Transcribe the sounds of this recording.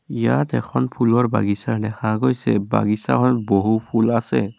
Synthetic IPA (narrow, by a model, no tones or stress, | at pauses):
ijatɛkʰɔnpʰulɔɹba̰ɡisaɹnɛxʰaɡojsɛba̰ɡisa̰kʰɔboɦupʰulasɛ̰